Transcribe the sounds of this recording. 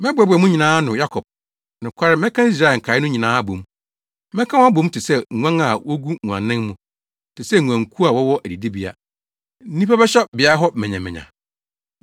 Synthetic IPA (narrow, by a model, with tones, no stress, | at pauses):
mɛ̃˦bʊ˨ɛ˨bʊ˨ɛ˨mũ˦ɲi˨nãː˦nʊ̃˨ja˦kʰɔ˨b̚ | nɪ̃˨kʷʰa˦ɾɪ˦mɛ̃˦kʰã˦i˦s̬ɾa˦˨ɛ˨ŋ̩˨kʰa˨˦ɪ˦nʊ̃˦ɲĩ˨nãː˨˦bõ̰˨m | mɛ̃˦kʰã˦wa˦bõ˨˦m˦tʰɪ˨sɛ˦˨ã˦ŋa˨wo˦ɡu˦ŋu˨ã̰˨nːɪ̃˦ŋmũ˨ | tʰɪ˨sɛ˦˨ŋʷ˨ã˨ŋkʰu˦a˨wɔ˦wɔ˦ʔæ˨di˨di˦bi˦a̰˨ | n̩˦nĩ˦pa˦bɛ˦ɕɛ˦bɪ˨a˨˦ɦɔ˦mɛ̃˨ɲɛ̃˨mɪ̃˨ɲã̰˨